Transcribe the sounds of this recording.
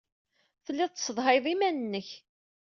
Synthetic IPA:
θəlːɪðˤt͡s̪ːsəðˤɦɑjðˤimænənːəç

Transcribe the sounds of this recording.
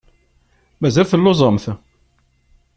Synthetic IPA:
mæzælθəlːozˤəmθ

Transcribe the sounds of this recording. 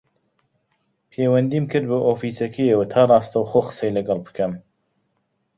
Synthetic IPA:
pʰeːwɐnd̪iːmkʰɨɾd̪̚bɨʔoːfiːsɐkʰejewat̪ʰaːrˤɑːst̪ɐwxoːqə̥sejlɐɡɐlˠbɨ̥kʰɐm

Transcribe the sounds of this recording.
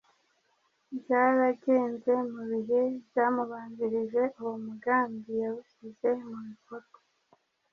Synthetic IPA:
bjaɾaɟe̞ːnze̞muβiɦe̞bjamuβaːɲdiɾiʒe̞ʔuwomuɡaːmbijaβufize̞mumifoto̥

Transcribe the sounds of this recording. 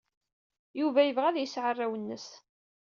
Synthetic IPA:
juvæjəvʁæðjəsʕərˤːawənːəs

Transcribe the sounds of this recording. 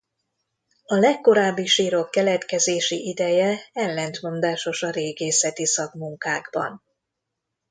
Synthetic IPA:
ɒlɛkːo̞ɾaːbːiʃiːɾo̞kːɛlɛt̪kɛzeːʃiʔid̪ɛjɛɛlːɛnt̪mo̞nd̪aːʃo̞ʃɒɾeːɡeːsɛt̪isɒɡmuŋkaːɡbɒ̰n

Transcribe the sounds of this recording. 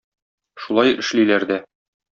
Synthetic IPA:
ʃulˠɑjɘ̆ʃlilæɾd̪æ

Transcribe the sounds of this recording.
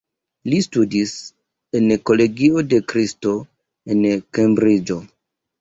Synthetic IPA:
listudis | enko̞le̞ɡio̞de̞kɾisto̞ | enkembɾid͡ʒo̞

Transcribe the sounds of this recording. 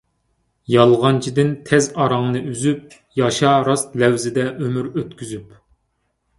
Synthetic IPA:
jɑlˠʁɑnt͡ʃʰid̪ɪnt̪ʰɛzɑɾɑŋnɨyzyp̚ | jɑʃɑɾɑst̪lɛwzɪd̪ɛʔømyɾøt̪kʲyzyp

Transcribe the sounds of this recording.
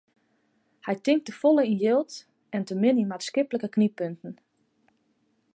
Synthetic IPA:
hɛjtɪŋk̚təfolˠəinjɪlˠt | ɛntəmɪninmatskɪpləkəknipøntn̩

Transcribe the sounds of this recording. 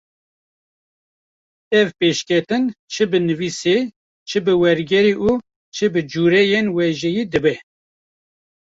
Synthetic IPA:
ɛvpeʃkʲʰɛt̪ɨnt͡ʃʰɨbɨnɨvise | t͡ʃʰɨbɨwɛɾɡɛɾiʔu | t͡ʃʰɨbɨd͡ʒuːɾɛjenwɛʒɛjiːd̪ɨbɛ

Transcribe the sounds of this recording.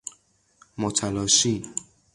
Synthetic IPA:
mɔtʰalɔʃi

